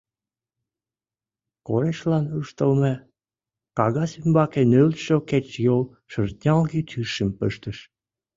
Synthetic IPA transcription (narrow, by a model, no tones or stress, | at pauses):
koɾeʃlɑnuʃt̪əlme | kɑɣɑsymbɑkenølʃoket͡ɕjol | ʃərt̪̚nʲɑlɣit̪ʰyʃəmpəʃt̪əʃ